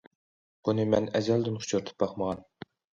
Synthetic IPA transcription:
b̥unɨmɛnɛzæld̪ɪnχʰʊ̥t͡ʃʰuɾt̪ʰɨ̥p̚bɑχməʁɑn

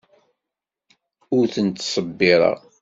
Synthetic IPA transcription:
ʊɾθənt̪ːsˤəbːɪɾˤɑ̰

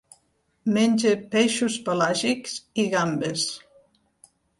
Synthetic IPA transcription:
menʲd͡ʒepeʃuspalaʒiksiɣambes

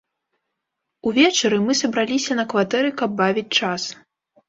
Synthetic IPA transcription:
uvʲɛt͡ʂɐɾɨmɨsɐbɾalʲisʲɐnɐkvat̪ɛɾɨkɐb̚ːavʲit͡sʲt͡ʂas

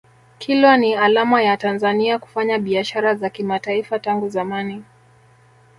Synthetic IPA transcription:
kʰilwanialamajatanzaniaku̥faɲaɓiaʃaɾazakimataifataŋɡuzamani

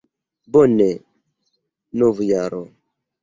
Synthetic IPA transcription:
bonɛ | novujaɾɔ

